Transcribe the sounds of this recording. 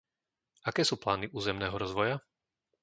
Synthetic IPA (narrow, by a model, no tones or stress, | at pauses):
akɛːsuːplaːniʔuːzɛmnɛːɦɔɾɔzʋɔja